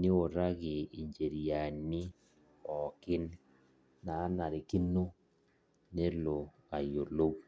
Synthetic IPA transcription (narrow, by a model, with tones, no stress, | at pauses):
nɪ˦o˨ɾa˦ɣɪ˨i˨ɲd͡ʒe˨ɾi˨ja˨nɪ˦ | ɔ˨kɪ˦nː | aː˨˦na˨ɾe˨ki˦no˦ | ne˦lo˨ | a˨jo˨lo˦k